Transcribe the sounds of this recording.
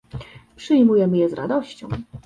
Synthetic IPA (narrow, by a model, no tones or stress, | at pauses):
pʂɘjmujɛmɘjɛzɾʔa̰d̪ɔɕt͡ɕɔ̃w̃